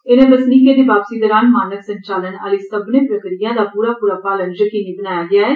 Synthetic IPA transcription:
ɪnẽːbəsniːkẽːd̪eːbaːbsiːd̪əːɾaːnmaːnəksə̃ɲt͡ʃaːləna̰ːliːsəbneːpɾəkɾijãːd̪aːpuːɾaːpuːɾaːpaːlənjəkiːniːbənaːjaːɡɪaːɛː

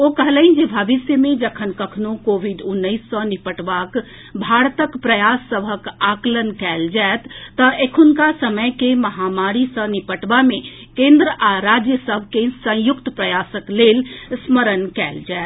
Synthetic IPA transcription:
okəɦləĩnd͡ʒebʱəʋisjəmed͡ʒəkʰənkəkʰnokobʱiɖunːəɪsːə̃nipəʈbak | bʱaɾt̪əkpɾəjasːəbʱəkaklənkɛld͡ʒaet̪ːəʔekʰunkasəməjkeməɦamaɾisə̃nipəʈbame | kẽnd̪ɾəʔaɾad͡ʒjəsəbʱkesə̃jukt̪pɾəjasəklelsməɾənkɛld͡ʒaet̪

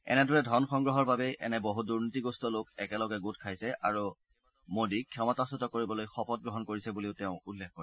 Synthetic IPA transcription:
ɛ̰nɛdɔɹɛdʱɔnxɔŋɡɹɔɦɔɹbabɛʔɛ̰nɛboɦuduɹnitiɡɔstɔlokɛkɛlɔɡɛɡut̚kʰajsɛʔa̰ɹu | modikʰɔmɔtasɔtɔkoɹibɔlojxɔpɔt̚ɡɹɔɦɔnkoɹisɛbuliʊtɛʊ̃ulːexkɔɹɛ

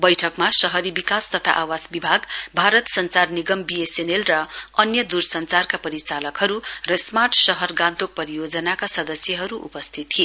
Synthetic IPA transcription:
bʌjʈʰʌkmasʌɦʌɾibikast̪ʌt̪ʰa̰ʔawasbibʱaɡbʱaɾʌt̪sʌnt͡sarniɡʌmbiesenelrʌʌnjʌd̪ursʌnt͡sarkapʌɾit͡salʌkɦʌɾurʌsmaʈsʌɦʌrɡãnt̪ok̚pʌɾijod͡zʌnakasʌd̪ʌsjʌɦʌɾuʔṵpʌst̪ʰit̪ʰːie

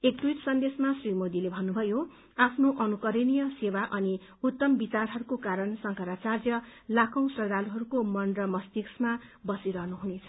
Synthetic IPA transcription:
ekt̪wijt̪sʌnd̪esmasrimod̪ilebʱʌnːubʱʌjo | apʰnoʔʌnukʌɾinijʌsewaʔʌni | ut̪ːʌmbit͡sarɦʌɾukokaɾʌnsʌŋkʌɾat͡sarjʌlakʰʌ̃w̃srʌd̪aluɦʌɾukomʌnrʌmʌst̪iksmabʌsiɾʌɦnuɦunet͡sʰʌ̥

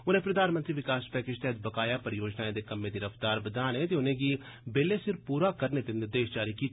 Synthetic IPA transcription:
ʊnẽpɾɐd̪ʱaːnmənt̪ɾiʋɪkaːspɛːkɪʃt̪ɛɦd̪bɐkaːjapɐɾjoːd͡ʒnaːẽd̪ekɐmːẽd̪iɾɐft̪aːɾbɐd̪aːnẽt̪eʊnẽɡi | beːlesɪɾpuːɾakɐɾnet̪enɪɾd̪eːʃd͡ʒaːɾiki

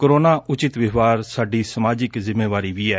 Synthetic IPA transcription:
koɾoːnaːʔʊt͡ʃɪt̪ʋɪʋaːɾsaːɖiːsəmaːd͡ʒɪkzɪmːeːʋaːɾiːʋiːɛː

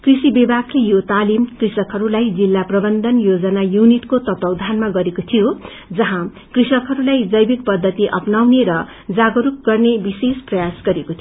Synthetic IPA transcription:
krisibebaklejot̪alimkrisʌkɦʌɾulajd͡zilːaprʌbʌnd̪ʱʌnjod͡zʌnajuniʈkot̪ʌt̪ʌwd̪ʱanmaɡʌɾekot̪ʰijo | d͡zʌɦã | krisʌkɦʌɾulajd͡zʌjbikpʌd̪ʱːʌt̪iʔʌ̰pnawneɾʌ | d͡zaɡʌɾuk̚ɡʌrnebisesprʌjasɡʌɾekot̪ʰ

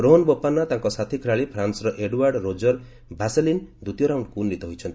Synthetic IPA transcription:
ɾoɦɔnbɔpːanːat̪ãŋkɔsat̪ʰikʰiɭɾaɭipʰɾansɾɔʔeɖwaɾɖɾod͡ʒɔɾ | bʱaselind̪ut̪jɔɾawɳɖkunːit̪ɔɦojt͡ʃʰɔnt̪i̥

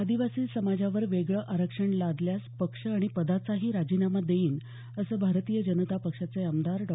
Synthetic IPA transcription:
əd̪iʋasiːsəmad͡ʑaʋəɾʋeɡɭəʔaɾəkʂəɳlad̪ljaspəkʂəaɽ̃ipəd̪at͡saɦiːɾad͡ʑiːnamad̪eiːn | əsəːbʱaɾt̪iːjəd͡ʑənət̪apəkʂat͡seəmd̪aɾɖɔ

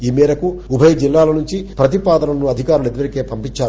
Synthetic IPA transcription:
iːmɛːɾɐkuubʱɐjɐd͡ʒilːaːlɐnuɲt͡ʃipɾɐt̪̬ipaːd̪ɐnɐlɐnuɐd̪ʱikaːɾulid̪ʋɐɾikeːpɐmpiɲt͡ʃːaːɾ

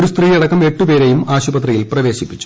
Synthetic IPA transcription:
ɾust̪riːjɐɽɐkːɐme̞ʈːupe̞ːɾejumaːɕubɐt̪rijilprɐʋe̞ːɕipːit͡ɕːu̥

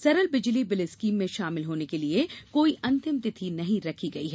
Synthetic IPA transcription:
sɐɾəlbɪd͡ʒlibɪlɪskiːmːẽʃaːmɪlɦoːnekeliekoːiʔɐ̃nt̪ɪmt̪ɪt̪ʰinɐɦĩɾɐkʰiɡɐiɦɛː

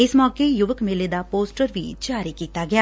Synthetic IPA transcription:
ɪsmɔːkejʊʋəkmeled̪aːpoːsʈəɾʋḭːd͡ʒaːɾiːkiːt̪aːɡɪjaː

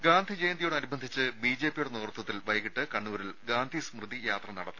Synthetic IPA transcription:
ɡaːnd̪ʱid͡ʑeːjnd̪ijuɽeɐɾubʱɐnd̪ʱit͡ɕːɨbiːd͡ʑe̞ːpːijuɽenoːrt̪wɐt̪ːilʋɐjɣiʈːɨkɐɳːuʋɐɾilɡaːnd̪ʱismrɨd̪ðijaːt̪rɐnɐɽɐt̪ːɨm

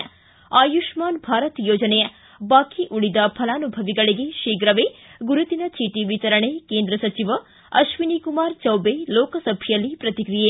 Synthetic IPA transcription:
aːjuʃmaːnbʱaːɾɐt̪joːd͡ʒɐnejɐ | baːkiʔuɭid̪ɐpʰɐlaːnubʱɐʋiɡɐɭiɡeʃiːɡɾɐʋeɡuɾut̪inɐt͡ʃiːʈiʋit͡ʃɐɾɐɳekeːnd̪ɾɐsɐt͡ʃiʋɐ | ɐʃʋinikumaːɾt͡ʃɐwbeloːkɐsɐbʱjɐlipɾɐt̪ikɾije

